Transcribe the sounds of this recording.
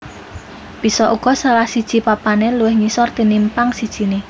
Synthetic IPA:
b̥i̤sɔʔuɡ̥ɔ̤salahsid̥ʒ̥i̤papaneluwɪhɲisɔrt̪inimpaŋsid̥ʒ̥i̤ne

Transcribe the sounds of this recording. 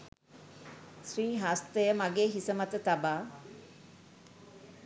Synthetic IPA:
sɾiːɦast̪əjəmaɡeːɦisəmat̪ət̪abaː

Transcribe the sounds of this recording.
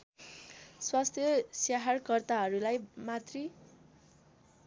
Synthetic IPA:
swast̪ʰjʌsjaɦarkʌrt̪aɦʌɾulajmat̪ri

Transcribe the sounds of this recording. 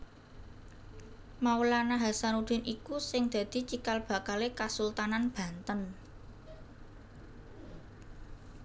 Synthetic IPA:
maulanaɦasanud̪̥ɛ̤nʔikusɪŋd̪̥ä̤d̪̥i̤t͡ʃikalb̥ä̤kalekasult̪ananb̥ä̤nt̪ən

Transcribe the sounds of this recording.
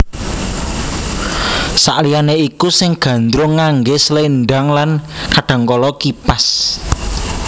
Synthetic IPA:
sa̰ʔlijaneikusɪŋɡ̥ä̤nd̪ɾʊŋaŋɡeslenɖaŋlankaɖ̥a̤ŋkɔlɔkipas

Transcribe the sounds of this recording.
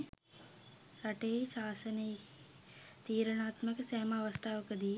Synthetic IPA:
ɾɐʈeːʃaːsɐne | t̪iːɾɐɳaːt̪mɐkɐsɐːmaːʋɐst̪ʰaːʋɐkɐd̪iː

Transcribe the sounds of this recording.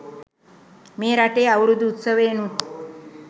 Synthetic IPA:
meːɾaʈeːaʋuɽud̪uut̪səʋeːnu

